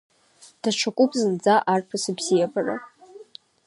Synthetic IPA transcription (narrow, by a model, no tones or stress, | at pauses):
d̥at͡ʃʷʰakʷʼupʼzɨnd͡zaʔarpʰasɨbzijapʼara̰